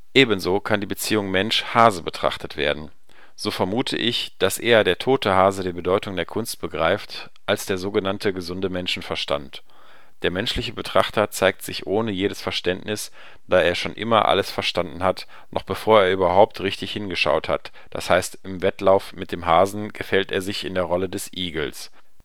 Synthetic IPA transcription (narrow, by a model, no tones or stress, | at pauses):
ʔeːbn̩zoːkʰandiːbət͡siːʊŋmɛnʃhaːzəbətʁ̥a̰χtətv̥ḛːɐdn̩ | z̥oːfɛɐmuːtʰə̰ʔɪçd̥asʔeːɐdeːɐtʰoːtʰəhaːzədiːbədɔʏtʊŋdeːɐkʰʊnst̚b̥əɡʁaɪft | ʔalsd̥eːɐzoːɡənantʰəɡəzʊndəmɛnʃn̩fɛɐʃta̰nt | d̥eːɐmɛnʃlɪçəbətʁ̥a̰χtɐt͡saɪk̚tz̥ɪçʔoːnəjeːɾəsfɛɐʃtɛntnɪs | d̥aːeːɐʃoːnʔɪ̰mɐ̰ʔa̰ləsfɛɐʃtandn̩hat | nʔɔχb̥əfoːɐeːɐʔyːbɐɦaʊp̚tʁɪçtɪçhɪnɡəʃa̰ʊtha̰t | d̥a̰shaɪstɪmvɛtlaʊfmɪt̚d̥eːmɦaːzn̩ɡ̥əfɛlteːɐzɪçɪndeːɐʁɔlədɛsʔiːɡl̩s